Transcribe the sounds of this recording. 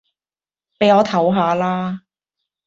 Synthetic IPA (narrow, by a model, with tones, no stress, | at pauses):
pe˨˧jɔː˨˧t̪ʰɐ˨˥wɦaː˨˧laː˥